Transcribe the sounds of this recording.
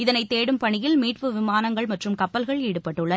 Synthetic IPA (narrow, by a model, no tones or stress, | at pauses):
ɪðɐnɐɪt̪ːeːɽɯmpɐɳɪjɪlmiːʈpɯʋɪmaːnɐŋɡɐɭmɐʈrɯmkɐpːɐlɣɐɭiːɽɯpːɐʈːɯɭːɐ